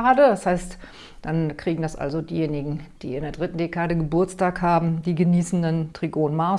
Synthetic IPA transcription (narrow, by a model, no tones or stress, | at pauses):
aːdədashaɪst | d̥ankʁ̥iːɡŋ̩dasʔa̰lzodiːjeːnɪɡŋ̩d̥iːɪndeːɐdʁɪtn̩dekʰaːdəɡəbʊɐt͡staːkhaːbm̩diːɡəniːsn̩dantʁ̥iɡoːnma